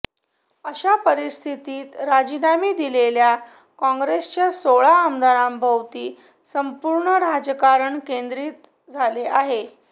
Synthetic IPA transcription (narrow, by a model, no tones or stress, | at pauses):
əɕapəɾist̪ʰit̪iːt̪ɾad͡ʑinamiːd̪ilelja | kɔ̃ŋɡɾest͡ɕjasoɭaːmd̪aɾãmbʱəwt̪iː | səmpuɾɳəɾad͡zəkaɾəɳkend̪ɾiːt̪ | d͡zʱaleaɦe